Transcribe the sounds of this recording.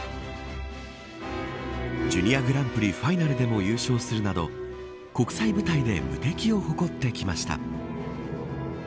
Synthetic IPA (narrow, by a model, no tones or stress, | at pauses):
d͡ʑɨnʲiaɡɯ̟ɾãmpɯ̟ɾʲiɸainaɾɯ̟d̪e̞mo̞jɯ̟ːɕo̞ːsɨɾɯ̟nad̪o̞̰ | ko̞kɯ̟̥saibɯ̟t̪aid̪e̞̰mɯ̟̰t̪e̞kʲio̞ho̞ko̞t̪ːe̞kʲimaɕi̥t̪a̰